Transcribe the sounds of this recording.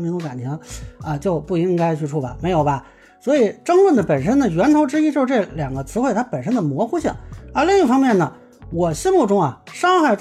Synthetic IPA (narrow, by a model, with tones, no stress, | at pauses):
mi˧˥ŋt͡su˧˥ka˨˩nt̪ʰi˧˥ŋə˧t͡ɕjo˥˧ʊpu˥˩i˥ŋka˥ɪt͡ɕʰy˥˧ʈ͡ʂʰu˥˩ba̰˨˩me˧˥ɪjo˨˩ʊbɐ˧ | swɔ˧˥i˨˩ʈ͡ʂɤ˥ŋlwə˥˩nd̪ə˩pə˨˩nʂə˥nd̪ə˨ɥɛ˧˥nt̪ʰo˧˥ʊʈ͡ʂɻ̩˥i˥t͡ɕo˥˧ʂɻ̩˥˧˥ʈ͡ʂɤ˥˩ljɑ˨˩ŋɡə˦t͡sʰɹ̩˧˥xwe˥˩ɪt̪ʰa˥pə˨˩nʂ̬ə˥nd̪ə˨mwɔ˧˥xu˥ɕi˥˩ŋə˞˧˥li˥˧ŋi˥˩fɑ˥ŋmjɛ˥˩nə˩ | wɔ˨˩ɕi˥nmu˥˩ʈ͡ʂʊ˥ŋɐ˨˩ʂɑ˥ŋxa˥˩ɪ